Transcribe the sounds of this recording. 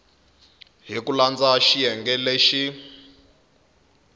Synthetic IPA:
ɦikuland͡zaʃijɛŋɡɛleʃi

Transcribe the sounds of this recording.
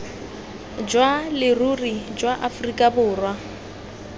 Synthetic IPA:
d͡ʒwalɪrurid͡ʒwaʔafʊrikʼabʊːrwa

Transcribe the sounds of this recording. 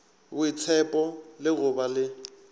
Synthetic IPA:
bʊit͡sʰɛpʼɔlɪɣʊbalɪ

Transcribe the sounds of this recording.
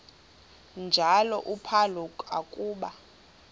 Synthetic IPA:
nd͡ʒʱalɔʔupʰalɔakʼuːɓa

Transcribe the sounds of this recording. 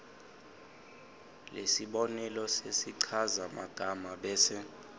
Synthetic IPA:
lesiɓɔnɛlɔsesiǀʰazama̰ɡ̥ʱamaɓɛːsɛ

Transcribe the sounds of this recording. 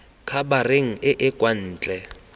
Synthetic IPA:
kʰabarɪŋ̩ɪʔɪkʼwan̩ːt͡ɬʼɛ

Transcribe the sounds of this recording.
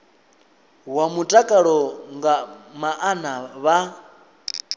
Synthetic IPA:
wamutʼakʼaɺɔŋɡamaʔanaβa

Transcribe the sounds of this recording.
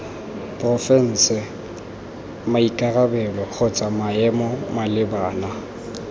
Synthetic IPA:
pʼrɔfɛn̩ːsɪ | maikʼarabɛbɛχʊt͡sʼamaɛmɔmalɪbaːna

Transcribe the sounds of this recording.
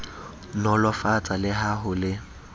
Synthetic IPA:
nɔlɔfat͡sʼalɪɦaɦʊlɪ

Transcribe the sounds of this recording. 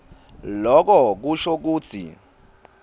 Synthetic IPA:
lɔk̬ɔk̬uʃok̬uːt͡sʰḭ

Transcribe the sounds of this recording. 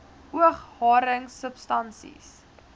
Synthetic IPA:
uəχhɑːɾəŋsəpstɐnsḭs

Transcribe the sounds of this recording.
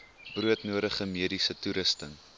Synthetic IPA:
bruətnuəɾəχəmiədisətuɾəstəŋ

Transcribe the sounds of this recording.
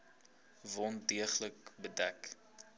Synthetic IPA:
vɔndiəχlək̚bədæk

